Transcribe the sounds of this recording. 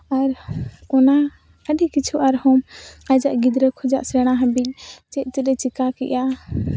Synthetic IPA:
aɾɔna | əɗikit͡ʃʰuʔaɾhɔ̃mad͡ʒaʔɡid̪ɾəkʰɔd͡ʒaʔsɾɛɽ̃aɦəbiʔ̚t͡ʃɛʔ̚ˀt̪ɛɗɛt͡ʃikakɛ̰ʔa

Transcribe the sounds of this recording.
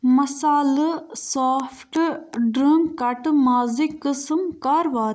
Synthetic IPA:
mɐsaːlsaːpʰʈɖɾiŋɡkɐʈmaːzikːəsmkaɾʋaːɾ

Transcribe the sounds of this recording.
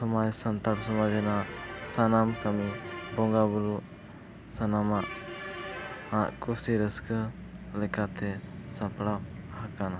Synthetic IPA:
sɔmajsant̪aɽsɔmad͡ʒɛnaʔsanamkamibɔŋɡabuɾuʔ | sanamaʔ | hãʔkusiɾəskə | lɛkat̪ɛsapɽahakana

